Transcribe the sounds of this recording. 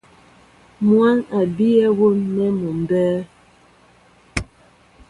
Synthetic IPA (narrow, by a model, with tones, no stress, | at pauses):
mwa˦na˨bi˦ɛ˦wo˦nːɛ˦mo˨m˨bɛː˦